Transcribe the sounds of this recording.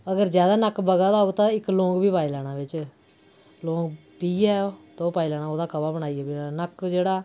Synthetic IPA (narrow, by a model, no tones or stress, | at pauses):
əɡəɾd͡ʒjaːd̪aːnəkbəɡaːd̪aːoːɡt̪ãːɪklõːɡbiːpaːilaːɽ̃ãːbɪt͡ʃ | lõːɡ | piːɛːot̪ːoːpaːilaːnãːoːd̪aːkəbaːbəɽaːiːɛːbinəkd͡ʒeːɽaː